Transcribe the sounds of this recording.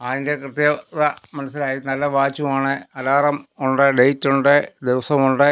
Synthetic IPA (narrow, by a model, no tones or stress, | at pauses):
ɐðinde̞krɨt̪jɐðɐmɐnɐsːilaːjinɐlːɐʋaːt͡ɕːumaːɳɨɐlaːrɐmuɳɖɨɖejtːuɳɖɨd̪eʋɐsɐmuɳɖɨ